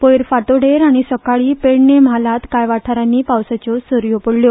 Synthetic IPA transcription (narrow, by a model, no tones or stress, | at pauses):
pojɾfaʈoɽeɾaɽ̃isəkaɭiːpeɽnem̤alat̪kajʋaʈʰaɾanːiːpawsat͡ɕɔsəɾjopəɽljo